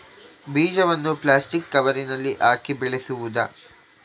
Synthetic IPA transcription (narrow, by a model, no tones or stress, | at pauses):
biːd͡ʒɐʋɐnːuplaːsʈikːɐʋɐɾinɐlːiʔaːkibɛɭesuʋud̪ɐ̰